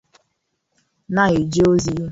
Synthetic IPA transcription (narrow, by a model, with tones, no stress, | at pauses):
na˦ɣe˨d͡ʒe˦o˦zi˨ju˦